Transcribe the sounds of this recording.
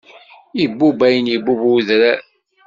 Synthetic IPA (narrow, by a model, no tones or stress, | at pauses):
ibːubæjənjibːubuðɾæ